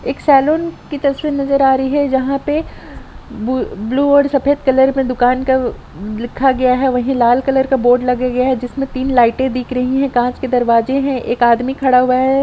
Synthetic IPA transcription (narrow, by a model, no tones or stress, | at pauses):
eːksɛːloːnkit̪ɐsʋiːɾnɐzəɾaːɾɐiɦɛd͡ʒɐɦãpe | bbluːɔːɾsɐpʰeːt̪kɐləɾmẽd̪ʊkaːnka | lɪkʰːaɡɐjaɦɛʋɐɦĩlaːlkɐləɾkaboːɾɖlɐɡaɡɐjaɦɛd͡ʒɪsmẽt̪iːnlaːɪʈẽd̪iːkʰɾɐɦiɦɛ̃kãːt͡ʃked̪ɐɾʋaːzeɦɛ̃ʔeːkaːd̪mikʰɐɽaɦʊaɦɛ